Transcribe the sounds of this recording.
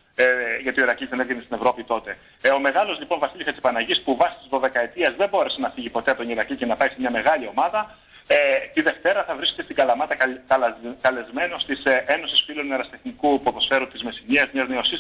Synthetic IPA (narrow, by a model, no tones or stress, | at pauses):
ʝɐt̪ioiɾɐcizðe̞nevenest̪ine̞vɾo̞pit̪o̞t̪e̞ | o̞me̞ɣɐlo̞zlipo̞nvɐsilʲiçɐt̪si̥pɐnɐʝispuvɐsi̥t̪izðo̞ðe̞kɐet̪iɐzðe̞mbo̞ɾe̞se̞nɐfiʝipo̞t̪eɐpt̪oniɾɐcice̞nɐpɐisemɲɐme̞ɣɐlio̞mɐðɐ | et̪iðe̞ft̪e̞ɾɐθɐvɾiske̥t̪est̪iɡɐlɐmɐt̪ɐt̪ɐk̪ɐlezme̞no̞st̪iseno̞sisfiloneɾɐst̪e̞xnikupuɐpo̞sfe̞ɾunt̪izme̞siniɐzmɲɐzneosis